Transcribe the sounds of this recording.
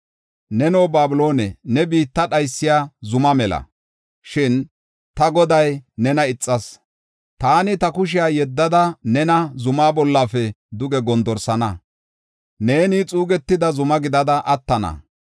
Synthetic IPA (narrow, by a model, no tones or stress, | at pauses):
nɛnoːbaːbɪlo̞ːnɛnɛbiːt̪ːɐɗɐjsːɪjaːzʊmɐmɛlɐ̰ | ʃɪn | t̪ɐɡɔd̪ɐjnɛnɐɪt͡sʼːɐs | t̪aːnɪt̪ɐkʊʃ̬ɪjaːjɛd̪ːɐd̪ɐnɛnɐzʊmaːbɔlːafɛ | d̪ʊɡɛɡɔnd̪ɔɾsɐnɐ | ne̞ːniːt͡sʼuːɡɛt̪ːɪd̪ɐzʊmɐɡɪd̪ɐd̪ɐʔɐt̪ːɐnɐ̰